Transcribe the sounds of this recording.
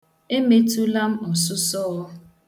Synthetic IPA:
e˦me˦tu˦la˦m̩˦ɔ˨sʊ˦sɔ˦ɔ˦

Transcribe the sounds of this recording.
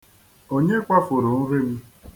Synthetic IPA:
o˦ɲe˦kʷa˦fʊ˨ɾʊ˨n̩˦ɾɪ˦m̩˦

